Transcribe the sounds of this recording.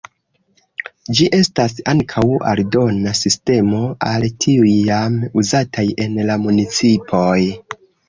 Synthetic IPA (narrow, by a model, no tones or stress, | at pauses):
d͡ʒiʔe̞stasaŋkʰawa̰ldo̞nasiste̞mo̞altʰiujːamuzatʰaje̞nlamunit͡sipʰo̞j